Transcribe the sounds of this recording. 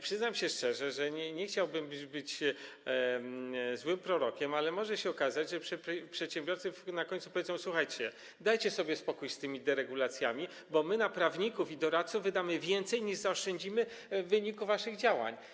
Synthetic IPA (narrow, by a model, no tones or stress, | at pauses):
pʂɘznamɕɛʂt͡ʂɛʐɛʐɛɲɛɲɛxt͡ɕawbɘmbɘbɘt͡ɕ | zwɘmpɾɔɾɔkʲɛmalɛmɔʐɛɕɛɔkazad͡ʑʐɛpʂɛpʂɛt̪ɕɛ̃mbʲjɔɾt̪sɨnakɔɲ̃t̪su̥pɔvʲjeɛzɔ̃w̃swuxajt͡ɕɛ | d̪ajt͡ɕɛsɔbʲjɛspɔkujst̪ɘmʲid̪ɛɾɛɡulat̪sʲjamʲi | bɔmɘnapɾavɲikufid̪ɔɾat̪t̪suvːɘd̪amɘvʲjɛnt̪sɛjɲiʐzaɔʂt͡ʂɛɲd͡ʑimɘ | vɘɲikuvaʂɘɣd͡ʑawa̰ɲ